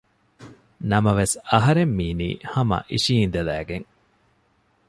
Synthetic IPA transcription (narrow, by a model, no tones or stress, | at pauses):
nɐmɐʋesɐɦɐɾemːiːnḭːhɐmɐ̰ʔiʃiːnd̪elæ̰ːɡeŋ